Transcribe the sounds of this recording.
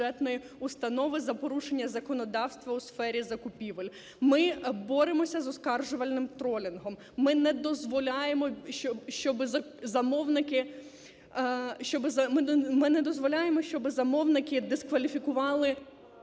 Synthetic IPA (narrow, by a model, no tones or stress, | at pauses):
ɛt̪nɔji | ʊst̪ɐnɔʋɪzɐpɔɾuʃenʲːɐzɐkɔnɔd̪ɑwst̪ʋɐusfɛɾʲizɐkʊpʲiʋɐlʲ | mɪbɔɾɪmɔsʲɐzɔskɑrʒʊʋɐlʲnɪmt̪ɾɔlʲɪnɦɔmːɪnɛd̪ɔzʋɔlʲɑjemɔʃɔʃt͡ʃɔbɪzɐzɐmɔwnɪkɪ | ʃt͡ʃɔbzɐmɪmɪnɛd̪ɔzʋɔlʲɑjemɔʃʲt͡ʃɔbɪzɐmɔwnɪkɪd̪ɪskʋɐlʲifʲikʊʋɑlˠɪ